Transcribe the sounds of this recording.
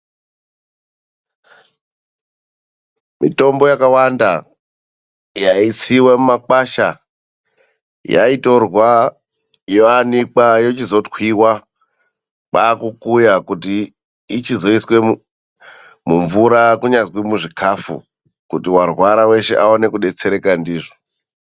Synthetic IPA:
mito̞mbo̞jakawanda | jait͡siwemumakaʃa | ja̰ito̞rwa | joanik͡pajo̞t͡ʃizo̞twiwa | paːkukujakutiː | t͡ʃizo̞iswe̞ | muɱvuɾakuɲazwimuʐikʰafṵ | kutiwarwaɾawe̞ʃe̞̰ʔaone̞kuɗe̞t͡se̞ɾe̞kandiːʐo

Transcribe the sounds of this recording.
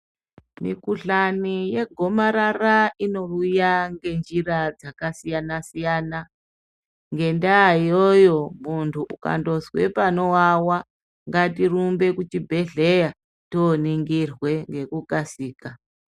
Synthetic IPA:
mḭkuɬanije̞ɡʱo̞maɾaraino̞ujaŋɡe̞nd͡ʒirad͡zakasijanasijaːna | ŋɡe̞ndaijojo̞muntʰuʔuka̰ndo̞zwe̞̰pano̞wawa | ŋɡatirumbe̞kut͡ʃibʱe̞ɮe̞ja | toniŋɡirwe̞ŋɡe̞kukasiːka

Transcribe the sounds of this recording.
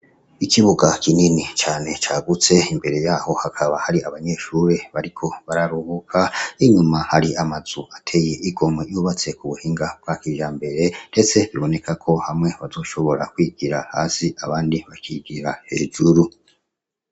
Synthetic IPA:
ikiβuɡakininit͡ʃaːne̞t͡ʃaːɡut͡se̞imbe̞ɾe̞jaːho̞hakʰaβahaɾiaβaɲe̞ːʃuːɾe̞βaɾikʰo̞βaɾaɾuβukʰaiɲumahaɾiamaz̥uʔatʰe̞je̞ʔiɡo̞mojuːβat͡se̞kuβuhiːŋɡab̚ɡakiʒaːmbe̞ɾe̞nde̞t͡se̞βiβo̞ne̞kakʰo̞hamŋe̞βazo̞ːʃo̞βo̞ɾakwiɡ̥iɾahaːsiaβaːndiβakiɡiɾahe̞ːʒuɾu

